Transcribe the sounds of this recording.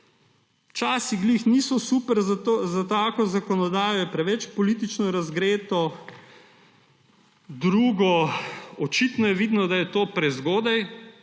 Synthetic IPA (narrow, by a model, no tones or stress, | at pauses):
t͡ʃaːsiɡlixniːsɔsupɛɾzozat̪aːkɔzakɔnɔd̪aːjɔjɛpɾɛʋɛt͡ʃpɔlit̪it͡ʃnɔɾazɡɾeːt̪ɔ | d̪ɾuːɡɔɔt͡ʃit̪nɔjɛʋid̪nɔd̪ajɛt̪oːpɾɛzɡoːd̪aj